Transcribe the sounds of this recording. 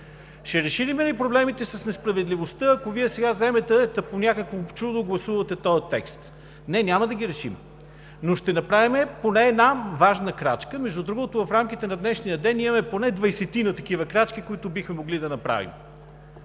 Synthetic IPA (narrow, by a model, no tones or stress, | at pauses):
ʃɛɾɛʃilimɛnipɾoblɛmit̪ɛsɐsnɛspɾɐvɛd̪livost̪əɐkoviɛsɛɡazɛmɛt̪ɛd̪ɐponʲakəkvot͡ʃud̪oɡlˠɐsuvɐt̪ɛt̪ɔjɐt̪ɛ̰kst̪ | nɛnʲaməd̪ɐɡ̟ʲiɾɛʃḭm | noʃt̪ɛnɐpɾavimɛponɛɛd̪navaʒnəkɾa̰t͡ʃkəmɛʒd̪ud̪ɾuɡot̪ʊvɐfɾamkʲit̪ɛnɐd̪nɛʃnijəd̪ɛnimɐmɛponɛd̪vɐjsɛt̪inət̪ɐk̟ivəkɾat͡ʃkikoit̪ʊbixmɛmoɡlid̪ɐnɐpɾa̰vḭm